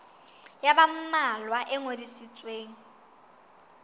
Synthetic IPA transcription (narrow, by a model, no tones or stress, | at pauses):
jabam̩malwaʔɛŋodisit͡sʼweːŋ̩